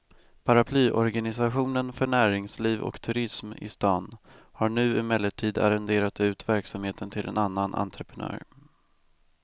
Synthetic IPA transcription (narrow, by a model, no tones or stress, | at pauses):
pʰaɾapʰlyːʔɔɾɡanɪs̬aɧuːnənfœɳæːɾɪŋsliːvɔ̰kt̪ʰɵɾɪsmɪ̰st̪ɑːnhaɳʉ̟ːɪmɛlːəʈʰiːd̪a̰ɾɛnd̪eːɾat̪ʉ̟ːt̪væɾksamheːt̪ənt̪ʰɪlʔɛ̰nanːanʔa̰nt̪ɾəpʰənœ̰ːɾ